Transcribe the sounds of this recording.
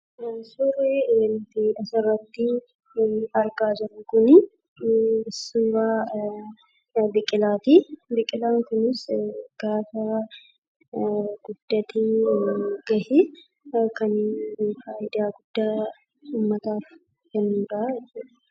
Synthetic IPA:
sʊreːnt̪ɪɐsɐrːɐt̪ːɪ | ɐɾɡaːd͡ʒɪɾʊŋkʊnɪ | ɪsːuːɾaː | bɪkʼːɪlaːt̪ibɪkʼːɪlaːŋkʊnɪsɡ̥aːfɐ | ɡ̥ʊd̪̥ːɐt̪i | ɡɐhɪ | kɐnfaːʔɪd̪aːɡʊd̪̥ːaː | uːmːɐt̪aːf | kɛnːuːɾɐɛt͡ʃːʊᶑɐ

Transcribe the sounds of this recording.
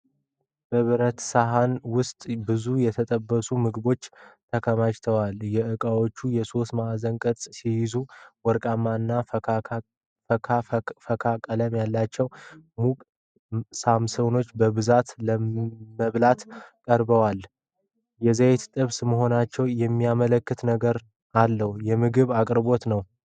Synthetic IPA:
b̥əβɨɾət̪saɦanwʊst̪ʼbɨzujɛt̪ʰət̪ʼəbːəsumɨɡbo̞t͡ʃːt̪ʰəkʰəmat͡ʃt̪ʰəwaljɛʔɨkʼawo̞t͡ʃːujɛso̞st̪mazəŋkʼət̪ʼsihɪzuwɔɾkʼamːanːa | əafəkʰakʼələmjalːat͡ʃːɛwmukʼ | samsəwno̞t͡ʃːbəβɨzat̪ləməβlat̪kʼəɾbəwal | jɛzajet̪t̪ʼɨβsməɦo̞nat͡ʃːɛwjɛmːijamələkːɨt̪nəɡəɾ | alːəhjɛmɨɡɨβakʼɾbo̞t̪nəw

